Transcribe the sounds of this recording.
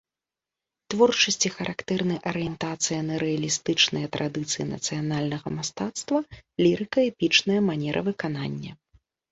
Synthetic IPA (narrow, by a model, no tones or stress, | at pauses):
t̪vɔrt͡ʂɐsʲt͡sʲixɐɾʔakt̪ɛrnɐjʔɐɾɨjɛnt̪at̪sɨjɐnɐɾɛɐlʲist̪ɨt͡ʂnɨjɐt̪ɾad̪ɨt̪sɨjinɐ̰t̪sɨjanalʲnɐɣɐmast̪at̪st̪vɐlʲiɾɨkɐɛpʲit͡ʂnɐjɐmanʲɛɾʔɐ̰vɨkananʲːɐ